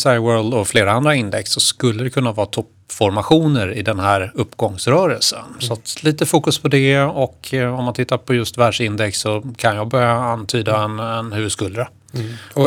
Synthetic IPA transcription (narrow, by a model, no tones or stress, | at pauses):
sajwœːld̪ɔfleːɾaand̪ɾaɪnd̪ɛksːɔskɵlːəd̪ɛkʰɵnːavɑːt̪ʰɔp | fɔɾmaɧuːnəɾɪd̪ɛnɦæːɾɵpːɡɔŋsɾœːɾəlsə̰nsɔat̪liːt̪əfuːkɵspʰɔd̪ɛɔkʰɔmːant̪ʰɪt̪ːaɾpʰɔjɵst̪væːɖʂɪnd̪ɛksːɔkʰanjɑːɡbœɾjaant̪ʰyːd̪aɛnɛnhʉːvɵd̪skɵld̪ɾə